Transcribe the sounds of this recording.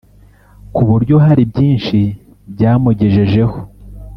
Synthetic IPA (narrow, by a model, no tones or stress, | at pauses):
kuβuɾɟo̞ɦaɾibjiːnʃi | bɟaːmuɟeʒe̞ʒe̞ho